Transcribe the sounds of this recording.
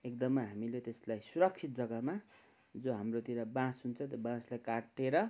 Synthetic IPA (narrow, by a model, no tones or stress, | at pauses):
ek̚d̪ʌmʌjɦamilet̪eslajsuɾʌk̚t͡sʰit̪̚d͡zʌɡʌma | d͡zoɦamrot̪iɾabãsɦunt͡sʰʌ̃t̪obãslajkaʈeɾʌ